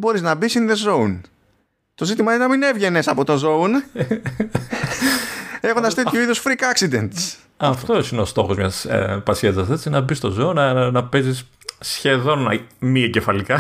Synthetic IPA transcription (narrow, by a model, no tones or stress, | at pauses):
bo̞ɾiznɐbisinðe̞zo̞un | t̪o̞zit̪imɐinenɐmine̞vʝe̞ne̞sɐpo̞t̪o̞nzo̞un | e̞xo̞nd̪ɐst̪e̞t̪çuiðusfɾikɐksid̪e̞nt̪s | ɐftt̪o̞sineo̞st̪o̞xozmɲɐspɐsiɐzɐθet̪i̥snɐbist̪o̞zounɐnɐpe̞zis | sçe̞ðo̞nɐmiɟefɐlikɐ